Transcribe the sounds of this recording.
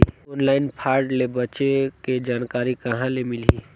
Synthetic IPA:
onlaːɪnpʰaːɾɖlebət͡ʃeked͡ʒaːnkaːɾikɐɦãlemɪliː

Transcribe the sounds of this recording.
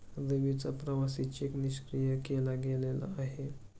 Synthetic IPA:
d̪eʋit͡sapɾəʋasit͡ɕekniɕkɾijəkelaɡelela̰ːɦe

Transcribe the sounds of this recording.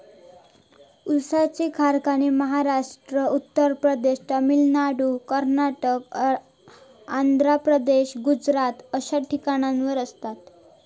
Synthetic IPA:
usat͡ɕikʰaɾkaniməɦaɾaʂʈɾəut̪ːəɾpɾəd̪eɕʈ̪əmilnaɽukəɾnaʈək | and̪ʱɾapɾəd̪eɕɡud͡zɾat̪əɕaʈʰikaɽ̃ãnʋəɾəst̪at̪

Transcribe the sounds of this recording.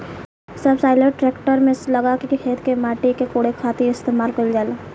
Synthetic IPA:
sɐbsaːɪləʈʈɾeːkʈəɾmẽslɐɡakiiɦeːt̪ʰkemaːʈikekoːɽekʰaːt̪iɪst̪eːmaːlkəld͡ʒaːlaː

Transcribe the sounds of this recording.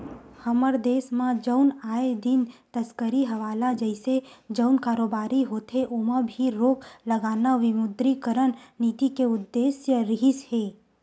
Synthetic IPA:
həməɾd̪esmãd͡ʒəwnaed̪int̪əskəɾiɦəʋalad͡ʒəjsed͡ʒəwnkaɾobaɾiɦot̪ʰeʔomãbʱiɾokləɡanaʋɪmʊd̪ɾikəɾənnit̪ikeʊd̪ːesjəɾiɦishe

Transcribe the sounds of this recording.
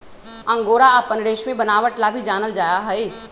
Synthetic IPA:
ɐ̃ŋɡoːɾaəpənɽeːʃmẽbənaːʋəʈlabʱid͡ʒaːnəld͡ʒaːjaɦɛi

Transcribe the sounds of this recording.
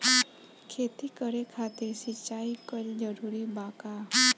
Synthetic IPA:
kʰeːt̪ikəɾekʰaːt̪eɾsɪt͡ʃːaːikəld͡ʒəɾuːɾibãːka

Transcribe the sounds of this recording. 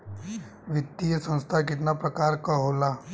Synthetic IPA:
ʋɪt̪ːijəsɐ̃nst̪ʰakɪt̪napɾɐkaːɾkaɦoːlaː

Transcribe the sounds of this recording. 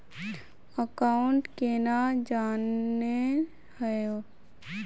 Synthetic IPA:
əkaːʊɳʈkenad͡ʒaːnːe | həjo

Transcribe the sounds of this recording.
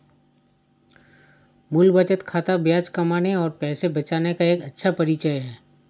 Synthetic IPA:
mulbət͡ʃət̪kʰaːt̪abjaːd͡ʒkɐmaːneɔːɾpɛːsebɐt͡ʃaːnekaeːkɐtːʃʰapɐɾit͡ʃəjɦɛː

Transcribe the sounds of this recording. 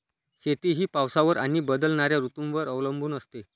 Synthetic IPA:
ɕet̪iɦiːpawsaʋəɾʔaɽ̃ibəd̪əlnaɾjaɾut̪umʋəɾəʋləmbʱuːnəst̪e

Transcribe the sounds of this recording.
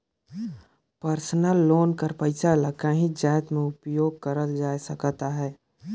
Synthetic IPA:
pəɾsənəlːoːnkəɾpəɪsalakəɦĩd͡ʒaːjt̪mẽʊpjoːɡ̚kəɾəld͡ʒaːjsəkt̪aɦɛː

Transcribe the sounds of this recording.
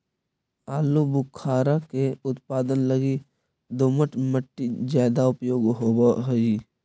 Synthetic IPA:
aːlubʊkʰaːɾakeʊt̪paːd̪ənləɡi | d̪oməʈməʈːizaːd̪aʊpjoːɡɦobaɦoi

